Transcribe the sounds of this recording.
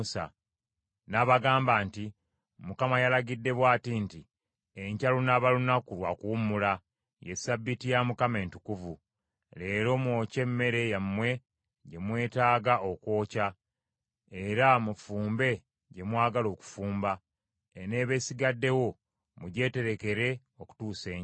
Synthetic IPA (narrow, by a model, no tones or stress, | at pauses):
sa̰ | naβaɡaːmbaːnti | mukamajalaɡidːe̞βwaːtinti | eɲcalunaβalunakulwa̰kuːmula | jesabːitijamukame̞ːntukuvu | le̞ːɾo̞mwo̞ːce̞mːe̞ɾe̞jamːwe̞ | ɟe̞mwe̞ːtaːɡaʔo̞kwo̞ːca | e̞ɾamufuːmbe̞ | ɟe̞mwaːɡalo̞ːku̥fuːmba | ene̞ːβe̞siɡadːe̞wo̞ | muɟe̞ːte̞ɾe̞ke̞ɾe̞ | o̞ku̥tuːse̞ːɲ